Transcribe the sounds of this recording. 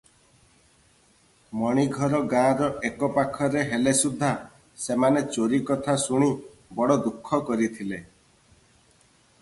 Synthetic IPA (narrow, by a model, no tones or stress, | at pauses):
mɔɽ̃iɡʱɔɾɔɡãɾɔʔekɔpakʰɔɾeɦelesud̪ʱːa | semanet͡ʃoɾikɔt̪ʰasuɽ̃i | bɔɽɔd̪ukʰːɔkɔɾit̪ʰile